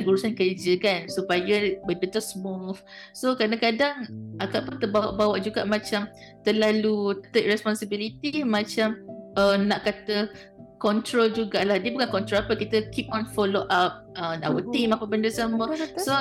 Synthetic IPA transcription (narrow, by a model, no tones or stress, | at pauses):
ɡuɾusankəd͡ʒəkansupajabəndət̪usmuf | sokɾadãŋkadaŋʔaɡaʔpʊnt̪əbaʔbawaʔd͡ʒuɡa̰ʔmãt͡ʃam | t̪əlalut̪əʔ̪̚rɛspɔnsibilit̪imãt͡ʃamənaʔkat̪ə | kɔnt̪ɾold͡ʒuɡaʔlahdiəbukankɔnt̪ɾolapəkit̪əkip̚ɔ̃nfɔloʔap̚əa̰wət̪imapabəndəsəməso